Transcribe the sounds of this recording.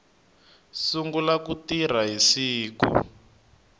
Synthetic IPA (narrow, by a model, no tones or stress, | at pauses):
suŋɡulakutir̤aɦisiːkṵ